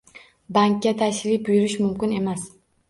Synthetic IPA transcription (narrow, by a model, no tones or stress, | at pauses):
baŋkʲːat̪ʰaʃɾɪbʊjʊɾɪʃmʊmkʲɪne̞mas